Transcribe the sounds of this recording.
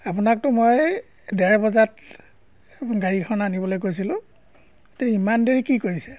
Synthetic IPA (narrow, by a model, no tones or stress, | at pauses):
apʊnak̚tʊmoj | dɛɹbɔzat | ɡaɹikʰɔnanibɔlojkojsilʊ̃ | teimandeɹikikoɹisɛ̥